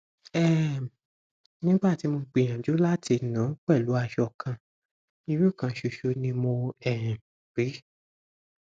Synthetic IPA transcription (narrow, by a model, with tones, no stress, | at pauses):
ɛ˦˨ | nĩ˦ɡ͡ba˦˨ti˨˦mo˧k͡pi˧˨j̃ã˨d͡ʒo˨˦la˦tʰi˧nã˨˦k͡pɛ˦˨lu˨˦a˧ʃɔ˧˨kʰã˧ | i˧˦we˦˨kã˧˦ʃo˧ʃo˧nĩ˧mo˧ɛ˨ã˨bi˨˦